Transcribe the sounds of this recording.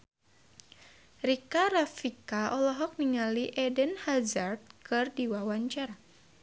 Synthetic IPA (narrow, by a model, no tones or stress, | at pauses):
rikaɾafikaʔɔlɔɦɔk̚niŋaliʔɛdənhazart̪̚kɨrdiwawaɲt͡ʃaɾa